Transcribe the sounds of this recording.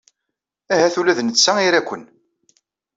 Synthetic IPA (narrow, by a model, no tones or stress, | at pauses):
æɦæθulæðnət͡sːæiɾækʷːən